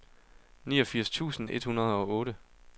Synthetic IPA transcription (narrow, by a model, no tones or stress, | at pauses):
niːɒfiɐst͡sʰṵːsn̩e̝d̥hunɐð̞ˠɒ̽ɔːɾə